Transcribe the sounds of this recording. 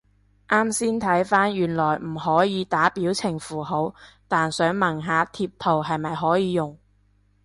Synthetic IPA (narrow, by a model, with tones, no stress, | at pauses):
ʔaː˥msiː˥nt̪ʰɐ˨˥jfaː˥njyː˨˩nlɔː˨˩jm̩˨˩ɦɔː˨˥jiː˨˧t̪aː˨˥piː˨˥wt͡sʰɪ˨˩ŋfuː˨˩ɦo˨˥wt̪aː˨nsœː˨˥ŋmɐ˨˩ŋɦaː˨˧t̪ʰiː˧p̚t̪ʰo˨wɦɐ˨jmɐ˨jɦɔː˨˥jiː˨˧jʊ˨˩ŋ